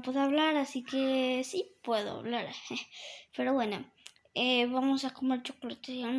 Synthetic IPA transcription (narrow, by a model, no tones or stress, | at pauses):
pweðaβlaɾasikesipweðo̰a̰βlaɾepeɾoβweno | eβamosakomeɾt͡ʃoklot̪esjalm